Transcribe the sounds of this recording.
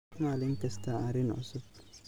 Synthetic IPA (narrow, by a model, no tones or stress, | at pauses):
malɪŋ̩kɛstaaɾɪnɔ̰sʊ